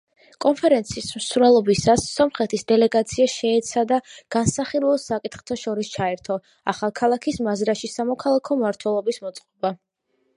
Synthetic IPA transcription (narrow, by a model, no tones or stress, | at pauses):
kʼɔnpʰɛɾɛnt̪sʰiiːsm̩suɾɛlˠɔbisasːɔmχɾɛt̪ʰisd̪ɛlɛɡat̪sʰiaʃɛːt̪sʰad̪aɡ̥ansaχiɾuɛlˠsakʼit̪ʰχt̪ʰaʃɔɾist͡ʃʰaɛɾt̪ʰɔ | a̰χalˠkʰalˠakʰismazɾaʃisamɔkʰalˠakʰɔmaɾt̪ʰwɛlˠɔbismɔt̪sʼqʼɔba